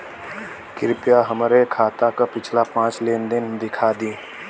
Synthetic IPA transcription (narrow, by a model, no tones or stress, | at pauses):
kɪɾpɪjaɦəmɾekʰaːt̪akapɪt͡ʃʰlapãːt͡ʃleːnd̪ɪnd̪ɪkʰaːd̪ĩː